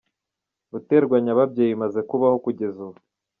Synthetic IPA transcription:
βute̞ːɾɡwaɲaβabɟe̞ːjimaze̞kuβaho̞kuɟe̞zuβo

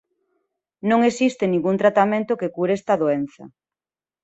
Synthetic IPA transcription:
nõŋesist̪enĩŋɡunt̪ɾat̪amẽnt̪okekuɾɛst̪aðoenθɐ̰

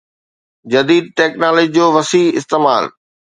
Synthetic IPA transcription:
d͡ʑɐd̪iːd̪̚ʈɛːknaːld͡ʑid͡ʑoːʋɐsiːɪ̰st̪eːmaːl

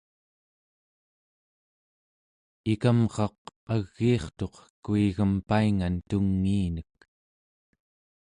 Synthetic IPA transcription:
ikamʁɑq̚aɣːiːχt̪o̞qkuiɣəmpaiŋant̪uŋːiːnək̚

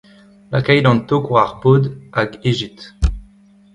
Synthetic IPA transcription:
lakajd̪ɑ̃t̪okwaʁbod̪aɡeʒit̪

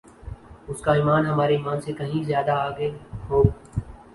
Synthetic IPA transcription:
ʊskaiːmaːnɦɐmaːɾeiːmaːnsekɐɦĩzjaːd̪aaːɡeɦoːɡ

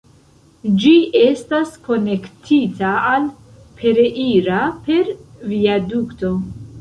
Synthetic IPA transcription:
d͡ʒie̞stasko̞ne̞ktʰitaːl | pʰe̞ɾeʔiɾape̞ɾviadukto̞

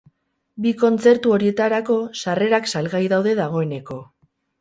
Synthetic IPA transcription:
biko̞nt͡se̞ɾt̪uo̞ɾie̞t̪aɾako̞sare̞ɾaksalɣajðawðe̞ðaɣ̞o̞e̞ne̞ko̞

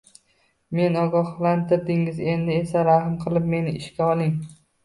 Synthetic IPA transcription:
me̞nɒɡɒhlˠant̪ʰɪɾd̪ɪŋɪze̞nd̪ɪe̞saɾahmqʰɨlˠɪp̚me̞nɪɪʃkʲaɒlˠɪŋ

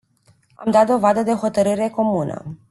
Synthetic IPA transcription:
a̰md̪at̪̚d̪o̞vad̪əd̪e̞oxo̞t̪əɾɨɾe̞ko̞munə̰

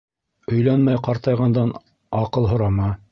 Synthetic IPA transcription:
ɵ̆jlænmæjqɑɾt̪ɑjʁɑnd̪ɑn | ɑqɤlˠɦŏɾɑmɑ

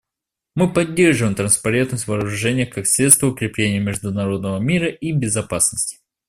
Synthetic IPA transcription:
mɨpɐdʲːerʐɨvəɨɪmt̪ɾənspɐɾʲe̞nt̪nəsʲtʲvɐːɾʊʐɛnʲɪjəxkaksʲɾʲet̪st̪vəʊkɾʲɪplʲenʲɪjəmʲɪʐd̪ʊnɐɾo̞d̪nəvəmʲiɾəʔibʲɪzɐpasnəsʲtʲɪ̥

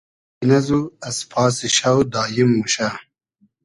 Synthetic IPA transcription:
inɐzuɐspʰɑːsiɕɐwd̪aːjimːuɕa

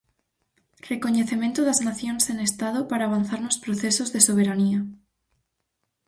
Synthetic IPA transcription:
rekoɲeθemẽnt̪oðaznaθjonsenest̪að̞opaɾaːβan̟θaɾnospɾoθesozðesoβ̞eɾania

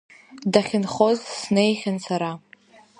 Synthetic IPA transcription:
daχʲɪnχo̞zsnejχʲansaɾa

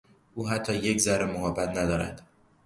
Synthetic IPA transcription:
ʔuːɦæt̪ʰːɒːje̞czæɾemoɣɒːbæt̪ʰnæd̪ɒːɾæ̰d̪̥

